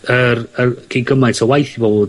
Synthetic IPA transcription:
ərərɡ̥ʰiɡəmajntʰɔwajθivoːd

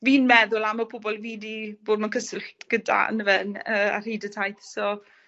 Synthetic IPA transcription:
viːnmɛðʊlˠaməpʰʊbɔlˠviːdiboːd̚mankʰəsɪlˠχɡ̥əda̰ə̰nəvɛnəːa̰r̥iːdətʰajθsɔ

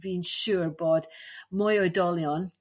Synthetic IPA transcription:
bĩnʃuːɹbɔd̥mɔjədɔlˠijɔ̃n

